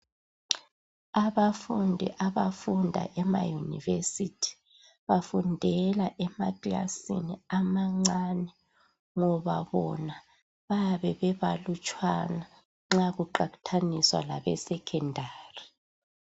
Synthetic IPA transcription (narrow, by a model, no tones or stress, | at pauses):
aβafundʱḭʔaβafundʱa̰ʔɛma̰junḭvesitʰi̥ | βafundʱɛlaʔɛma̰kila̰sḭniamaŋ͡ǀanɛ | ŋɔβaβɔna | βaβɛβɛβalut͡ʃʼwana | ŋ͡ǁaɣuǃaɣu̥tʰaniswa̰laβɛ̰sɛkʰɛndʱaːri